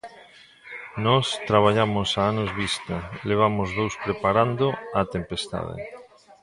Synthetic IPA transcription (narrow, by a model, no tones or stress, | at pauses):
nɔst̪ɾaβ̞aʎamʊsaanozβist̪aleβ̞amʊzðowspɾepaɾand̪oat̪empest̪a̰ðɪ̰